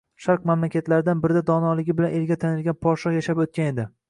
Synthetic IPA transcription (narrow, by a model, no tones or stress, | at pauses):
ʃaɾqmamlakʲat̪laɾɪd̪anbɪɾɪd̪ad̪ɒnɒlɪɡʲɪbɪlanelɡʲat̪ʰanɪlɡʲanpʰɒɾʃɒχjaʃapot̪̚kʲane̞d̪ɪ